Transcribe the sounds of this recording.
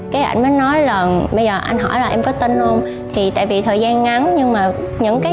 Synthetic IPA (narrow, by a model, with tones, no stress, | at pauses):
kaː˨˦jʔa̰˧jŋ̟məː˨˦jnɔ˨˦jlaː˨˩ɓə˧jzəː˨˩ʔa˧jŋ̟ɦɔ̰˧˩jlaː˨˩ʔɛ˧mkɔ˨˦t̪e˧nlo˧m | t̪ʰi˨˩t̪a̰ː˧˨jvi˨˩t̪ʰəː˨˩jzaː˧nŋa˨˦nɲɨ˧ŋmaː˨˩ɲɨ̰˧˥ŋkaː˨˦